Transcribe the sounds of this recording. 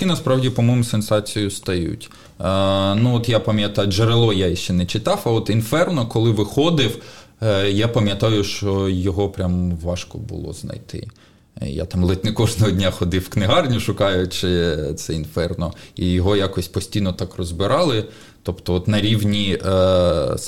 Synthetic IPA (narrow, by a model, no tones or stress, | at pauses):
t̪kʲinɐspɾɑwdʲipɔmɔmʊsensɑt͡sʲijʊst̪ɐjṵtʲː | nuɔt̪japɐmʲjɐt̪ɑjʊʒeɾelˠɔjajɛʃt͡ʃɛnɛt͡ʃɪt̪ɑwɐɔt̪infɛrnɔkɔlˠɪʋɪxɔd̪ɪw | japɐmʲjɐt̪ɑjʊʃt͡ʃɔjɔɦɔpɾʲamʋɑʃkɔ̰bʊ̰lˠɔ̰znɐ̰jt̪ɪ̰ | ja̰t̪ɑmlˠɪt̪ʲnɪkɔʒnɔɦɔdʲnʲaxɔd̪ɪwknɪɦɑrnʲʊʃʊkɑjʊt͡ʃɪt̪sɛinfɛrnɔijɔɦɔjakɔsʲpɔsʲtʲijnɔt̪ɑkrɔzbɪɾʔɑlˠɪ | t̪ɔpt̪ɔɔt̪nɐɾʲiwnʲi